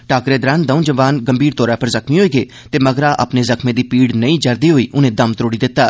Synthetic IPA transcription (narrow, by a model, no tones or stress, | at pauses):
ʈaːkɾeːd̪ɾaːnd̪əũːd͡ʒəʋaːnɡəmbʱiːɾt̪ɔːɾaːpəɾzəkmĩːɦoːiːɡeː | t̪eːməɡɾaːʔə̰pneːzəkmẽːd̪iːpiːɽnəĩːd͡ʒəɾd̪iːɦoːiːʔʊnẽːd̪əmt̪ɾoːɽiːd̪ɪt̪ːaː